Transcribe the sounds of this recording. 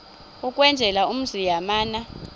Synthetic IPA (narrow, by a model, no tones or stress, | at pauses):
ukʼwɛnd͡ʒʱɛlaum̩zijamaːna